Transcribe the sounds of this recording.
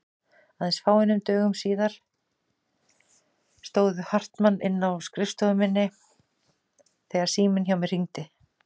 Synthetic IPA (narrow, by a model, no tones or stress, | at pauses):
aðɛnsfaːwɪnʏmt̪œːɣʏmsiːðaɾ̥ | st̪oːwðʏhar̥t̪manːɪnːawskɾɪfst̪owʏmɪnːɪ | θɛːɣaɾ̥siːmɪnçawmɛr̥iŋt̪ɪ